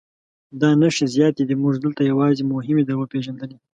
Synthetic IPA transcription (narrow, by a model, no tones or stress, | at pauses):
d̪ɑnaʃizjɑt̪ed̪imʊʒd̪əlt̪ajawɑzemʊɦɪmed̪aɾwəpeʒand̪əne